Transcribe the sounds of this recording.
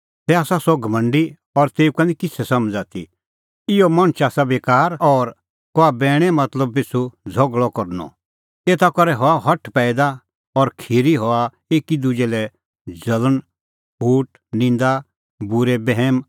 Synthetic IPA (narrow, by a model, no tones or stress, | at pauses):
t̪ɛaːsasɔɡʱɐmɐ̃ɳɖi | ɔɾt̪eːukãnikɪt͡sʰɛsɐmd͡zaːt̪ḭ | ɪjɔmɐ̃ñt͡ʃaːsabeːkaːɾɔːɾ | kɔabɛːɽ̃ɛmɐt̪ləb̚pesʰud͡zʱɔɡɭɔkɔɾnɔ̰ | eːt̪akɔɾɛɦɔaɦɔʈʰpɛːɪd̪a | ɔɾkʰiɾiɦɔa | eːkid̪ud͡ʒɛlɛ | d͡ʒɐlən | ɦuːʈ | nɪ̃nd̪a | bʊɾɛbɛɦɛm